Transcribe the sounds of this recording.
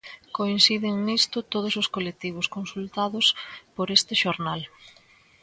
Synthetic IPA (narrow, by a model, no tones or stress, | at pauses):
koinsiðɪŋnist̪ʊt̪oð̞ʊsʊskolek̚t̪iβ̞ʊskonsult̪aðʊspoɾest̪ɪʃoɾnal